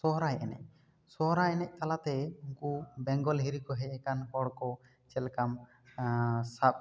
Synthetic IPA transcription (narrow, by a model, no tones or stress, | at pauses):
sɔɦɾajɛnɛ̰c̚ | sɔɦɔɾajɛnɛc̚ˀt̪alat̪ɛuŋkubɛŋɡɔlɦiɾikɔɦɛɛkankɔɽkɔ | t͡ʃɛlkam | sap̚